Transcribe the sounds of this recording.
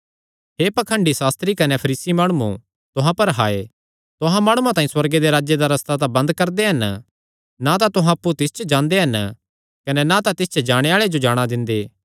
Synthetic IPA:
ɦeːpɐkʰə̃ɳɖisaːst̪ɾikɐnɛpʰɐɾiːsimaːɽ̃uṵ̃ | t̪ʊɦãpɐɾɦaːḛ | t̪ʊɦãmaːɽ̃uãt̪aːĩswɐɾɡed̪eɾaːd͡ʒed̪aɾɐst̪at̪̬abɐ̃nd̪kɐɾd̪eɦɐn | nat̪at̪ʊɦãɐpːut̪ɪst͡ʃəd͡ʒãːnd̪eɦɐn | kɐnɛnat̪at̪ɪst͡ʃd͡ʒaːɽ̃eaːɭed͡ʒod͡ʒaːɽ̃ad̪ɪ̃nd̪eː

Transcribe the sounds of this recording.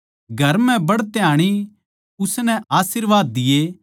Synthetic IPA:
ɡʱɐɾmɛ̃bɐɽt̪jaːɽ̃i | ʊsnɛaːsiɾʋaːd̪ːɪje

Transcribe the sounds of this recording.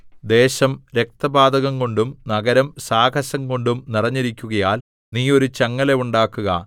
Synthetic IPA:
d̪e̞ːɕɐmɾe̞k̚t̪ɐbaːd̪ɐɣɐŋko̞ɳɖumnɐɡɐɾɐmsaːkʰɐɕɐŋko̞ɳɖumnirɐɲːiɾikʲːuɣɐjaːl | niːo̞ɾut͡ɕɐŋːɐle̞uɳɖaːkːuɣɐ̰

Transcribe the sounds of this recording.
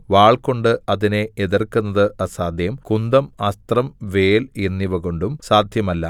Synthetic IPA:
ʋaːɭko̞ɳɖɨɐðineeðɐrkunːɐðɨʔɐsaːd̪ʱjɐmkund̪ɐmɐst̪rɐmʋeːlinːiʋɐɣo̞ɳɖumsaːd̪ʱjɐmɐlːɐ

